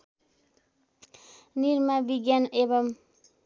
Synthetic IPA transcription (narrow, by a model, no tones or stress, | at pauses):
niɾmabiɡanebam